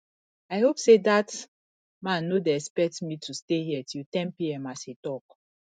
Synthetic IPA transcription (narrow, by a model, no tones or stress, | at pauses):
aɪhopsedat | mãnːodeɛspɛk̚tmitʰustejiɛtʰiltɛ̃mpiɛ̃mashitɔk̚